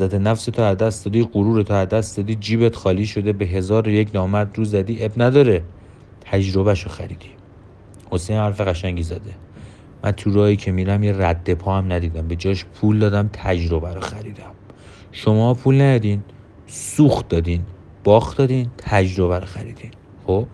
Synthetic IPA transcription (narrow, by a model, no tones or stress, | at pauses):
zæt̪ʰenæfset̪ʰoæzd̪æstd̪ɒːd̪iːɢoɾuːɾet̪ʰoæzd̪æst̪d̪ɒːd̪iːd͡ʒiːbet̪xɒːliːʃo̞d̪e̞beɦe̞zɒːɾejecʰnɒːmæɾd̪ɾuːzæd̪iːʔebnæd̪ɒːɾe | t̪ʰæd͡ʒɾo̞bæʃoxæɾiːd̪̥i̥ | ho̞sejnhæɾfeɣæʃæɲɟizæd̪e̞ | mʔæ̰nt̪ʰuɾɒːiːcʰemiɾæmjeræd̪ːe̞pʰɒːæmnæd̪iːd̪æmbe̞d͡ʒɒːʃpʰuːld̪ɒːd̪æmt̪ʰæd͡ʒɾo̞bæɾoxæɾiːd̪æm | ʃo̞mɒpʰulnæj̪ɒd̪iːn | suːxt̪̚d̪ɒːd̪iːn | b̥ɒːxd̪ɒːd̪iːnt̪ʰæd͡ʒɾo̞βæɾoxæɾiːd̪̥in | xob̥